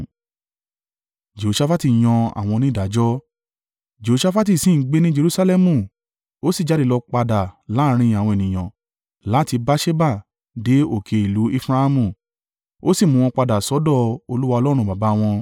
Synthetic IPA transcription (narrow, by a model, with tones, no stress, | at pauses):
d͡ʒe˨o˨ʃa˧fa˦ti˨j̃ɔ̃˧a̰˨w̃ɔ̃˧nĩ˦˨da˨˦d͡ʒɔ˦ | d͡ʒe˨o˨˧ʃa˧˦fa˦t̬i˦˨sĩ˦˨˦ɡ͡be˦nĩ˦d͡ʒe˧ɾu˦sa˧lɛ˦mũ˧˨ | o˦si˦˨d͡ʒa˨˦di˦˨lɔ˧k͡pa˧da˨la˨˦˧ɾ̃ĩ˧˨a˨wɔ̃˧e˨nĩ˨j̃ɔ̃˨ | la˨˦ti˧ba˦ʃe˦ba˦˨ | de˨˦o˦˨kʰe˨˧i˨lu˨˦i˦fɾa˧a˧mũ˧˨ | o˦si˦˨mũ˧w̃ɔ̃˧k͡pa˧da˨sɔ˨˦dɔ˦˧o˧lu˦wa˧ɔ˧lɔ˦ɾ̃ũ˧ba˨ba˨˦w̃ɔ̃˧